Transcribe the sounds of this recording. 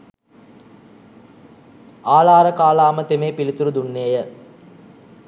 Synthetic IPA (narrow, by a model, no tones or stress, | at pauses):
aːlaːɾəkaːlaːmət̪emeːpilit̪uɾud̪unːeːjə